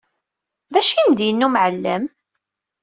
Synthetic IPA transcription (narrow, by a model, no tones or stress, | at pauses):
ðæʃind̪jənːumʕəlːə̰m